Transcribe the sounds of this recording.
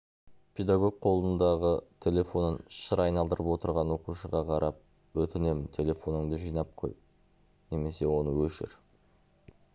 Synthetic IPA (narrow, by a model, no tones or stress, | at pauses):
pʰʲe̞d̪aɡo̞ɡ̚qʰo̞lˠənd̪ɑʁət̪ʲʰe̞lʲe̞fo̞nənʃəɾɑjnɑlˠd̪əɾəpwo̞t̪əɾʁɑnwo̞quʃəʁɑqʰɑɾɑp̚ | wɵt̪ɪne̞mɪnt̪ʰe̞le̞fo̞nəŋd̪əʒijnɑp̚qʰo̞̰jp | ne̞me̞se̞wo̞nəwɵʃɪ̰ɾ